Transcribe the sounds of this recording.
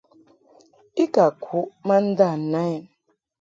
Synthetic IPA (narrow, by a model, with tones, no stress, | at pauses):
i˦ka˨kʷʰu˨˦ma˦n̩˦da˦˨na˦i˨n˨